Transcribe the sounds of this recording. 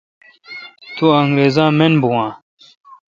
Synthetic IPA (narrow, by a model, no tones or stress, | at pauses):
t̪uɐŋɡɾeːzãːmenbuwãː